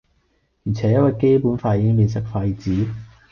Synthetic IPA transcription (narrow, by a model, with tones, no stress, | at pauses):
ji˨˩t͡sʰɛː˨˥jɐ˥t̚waː˧jke˥jpuː˨˥nfaː˧jiː˨˧˥kɪ˥ŋpiː˧nsɐ˥k̚faː˧jiː˨˩t͡siː˨˥